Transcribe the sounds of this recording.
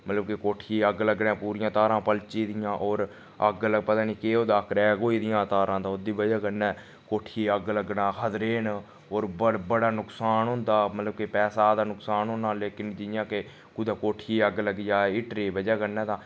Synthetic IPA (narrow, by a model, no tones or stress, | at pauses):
mət̪ləbkekoːʈʰiːəɡləɡnɛ̃ːpuːɾɪjãːt̪aːɾãːpəlt͡ʃiːd̪ɪjãːʔoːɾ | əɡləɡpət̪aːniːkeːoːd̪aːkɾɛːɡoːiːd̪ɪjãːt̪aːɾãːt̪ãːʊd̪iːbəd͡ʒɛːkənːɛː | koːʈʰiːəɡələɡnãːkʰəd̪ɾeːn | oːɾbəɽbəɽaːnʊksaːnɦʊ̃nd̪aːmət̪ləb̚kɪpɛːsaːd̪aːnʊksaːnɦʊnːaːleːkɪnd͡ʒɪjãːke | kʊd̪aːkoːʈʰiːəɡləɡd͡ʒaːɪʈɾeːbəd͡ʒɛːkənːɛ̃ːt̪ãː